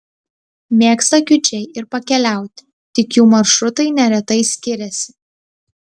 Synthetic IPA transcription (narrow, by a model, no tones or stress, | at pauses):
mʲeːkst̪ɐkʲʊt͡ʃʲɛɪʔɪɾpɐkʲɛlʲæˑʊt̪ʲ | t̪ʲɪkjuːmɐɾʃɾʊt̪ɐɪnʲɛɾʲɛt̪ɐɪsʲkʲɪɾʲɛsʲɪ̥